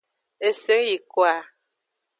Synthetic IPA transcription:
e˨se˦ŋji˨kwa˨

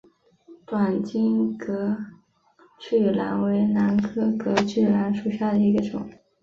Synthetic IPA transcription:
t̪wa˨˩nt͡ɕi˥ŋkɤ˧˥ | t͡ɕy˥˩la̰˧˥nwe˧˥ɪna˧˥nkʰɤ˥kɤ˧˥t͡ɕʰy˥˩la˧˥nʂu˨˩ɕja˥˩d̪ə˩i˧˥ɡə˧ʈ͡ʂʊ̰˨˩˦ŋ

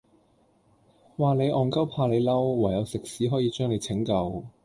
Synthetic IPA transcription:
waː˨˩le˨˧jʔɔː˨˩ŋkɐ˥wpʰaː˧le˨˧jlɐ˥wːaː˨˩jɐ˨˧wsɪ˨k̚siː˨˥ɦɔː˨˥jiː˨˧t͡ʃœː˥ŋe˨˧jt͡sʰɪ˨˥ŋkɐ˧w

